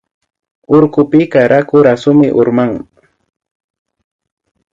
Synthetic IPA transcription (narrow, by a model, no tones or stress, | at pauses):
ʊɾkʊpɪkaɾʔakʊɾasʊmɪʔʊɾmaŋ